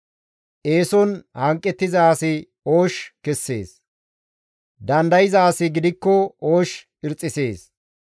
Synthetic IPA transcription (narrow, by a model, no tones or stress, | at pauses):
ʔe̞ːsɔnhɐŋkʼːɛt̪ːɪzaːsɪ | oːʃkɛsːe̞̰ːs | d̪ɐnd̪ɐjɪzaːsɪɡɪd̪ɪkːɔoːʃ | ɪɾt͡sʼːɪse̞ːs